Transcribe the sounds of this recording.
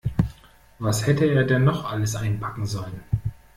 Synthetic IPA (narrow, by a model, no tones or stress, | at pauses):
vashɛtəeːɐdɛnːɔχʔaləsʔaɪnpʰakŋ̩zɔlən